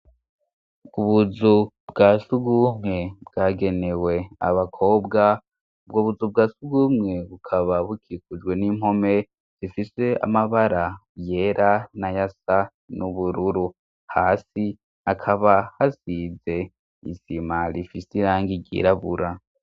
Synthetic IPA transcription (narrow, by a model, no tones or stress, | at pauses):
uβuzu | bɡaːsuɡumŋe̞bɡ̥aːɡe̞ne̞we̞a̰βakʰo̞ːbɡa | ubɡoβuzub̚ɡaːsuɡumŋe̞βukʰaβaβukʰikud͡ʒɡwe̞nimo̞me̞ | z̥ifise̞a̰maβaɾa | je̞ɾanajasa | nuβuɾuɾu | haːsi | akʰaβahasize̞ | ḭsimaɾifisiɾaːŋɡiɟḭːɾaβṵɾa